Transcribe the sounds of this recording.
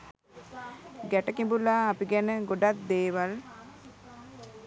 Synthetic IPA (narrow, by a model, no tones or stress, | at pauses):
ɡæʈəkimbulaːpiɡænəɡoɖat̪̚d̪eːʋal